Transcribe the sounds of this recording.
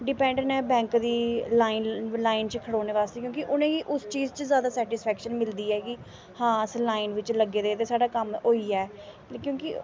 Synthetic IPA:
ɖɪpɛ̃ːɳɖəɳɛːbɛ̃ːŋkd̪iːlaːinlaːint͡ʃkʰəɽoːneːʋaːst̪eːkjõːkɪʔʊnẽːiːʔʊst͡ʃiːzt͡ʃəzjaːd̪aːsɛːʈɪspʰɛːkʃənmɪld̪iːɛːɡiː | hãːslaːinʋɪt͡ʃləɡːeːd̪eːt̪eːsaːɖaːkəmɦoːiːɛː | kjõːkɪ

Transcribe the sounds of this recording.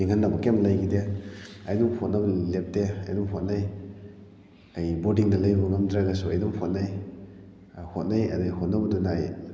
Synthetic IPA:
iŋɦanːabɐkemlajɡideɐjduŋhot̚nɐblep̚deɐjduŋɦot̚naj | ajbodiŋdɐlajubɐŋɐmdɾaɡɐsuɐjduŋhot̚naj | hot̚najɐ̰dahot̚nɐbɐdunaːj

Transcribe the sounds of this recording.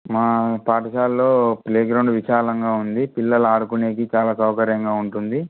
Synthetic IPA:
maːpaːʈɐʃaːlːo̞ːpleːɡɾɐwɳɖʋiʃaːlɐŋɡaːund̪ipilːɐluaːɽukuneːkit͡ʃaːlaːsɐwkɐɾjɐŋɡaːuɳʈund̪i

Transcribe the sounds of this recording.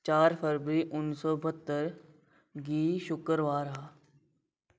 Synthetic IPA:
t͡ʃaːɾpʰəɾʋəɾiːʔʊnsɔːbʱət̪ːəɾ | ɡiːʃʊkəɾʋaːɾɦaː

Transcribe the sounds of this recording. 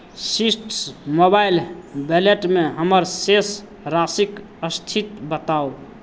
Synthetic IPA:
sisʈsmobajlbeleʈmeɦəməɾses | ɾasik | əst̪ʰit̪bət̪ao

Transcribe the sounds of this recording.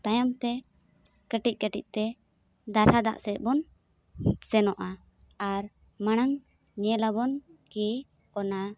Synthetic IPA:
t̪ajamt̪ɛ | kəʈic̚ˀkəʈḭc̚ˀt̪ɛ | d̪aɾhad̪a̰ʔsɛt̪̚bɔn | sɛnɔʔa | aɾ | maɽ̃aŋ | ɲɛlabɔnki | ɔna

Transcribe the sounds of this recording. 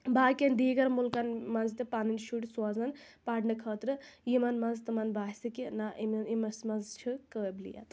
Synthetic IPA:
baːkʲend̪iːɡɐɾmulkɐnmɐnzt̪ipaːninʃuʈʲswaːzɐn | paːɖnɨkʰəːt̪ɾɨjimɐnmɐnzt̪ɐmɐnbaːsikinaʔimɐnimɐsmɐnzt͡ʃʰikəblḭja̰t̪

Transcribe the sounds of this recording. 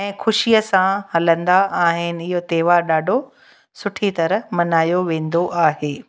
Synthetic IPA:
ɛ̃ːxʊʃiəsãhɐlə̃nd̪aʔaːɦɪnɪ̆ɪɦot̪eːʋaːɾɗaːɖʱo | sʊʈʰit̪ɐɾəmɐnaːjoʋẽːn̆d̪oʔaːɦeː

